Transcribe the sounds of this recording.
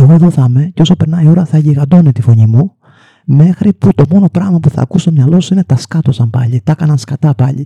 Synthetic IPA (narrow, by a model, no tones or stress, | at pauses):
eɣo̞e̞ðo̞θɐme̞ceo̞sope̞ɾnɐio̞ɾɐθɐʝiɣɐd̪o̞net̪ifo̞ɲimu | me̞xɾiput̪o̞mo̞no̞pɾɐɣmɐpuθɐ̰ːkust̪o̞mɲɐlo̞suine̞t̪ɐskɐt̪o̞sɐmpɐ̰ʎit̪ɐkɐnɐnskɐt̪ɐpɐʎḭ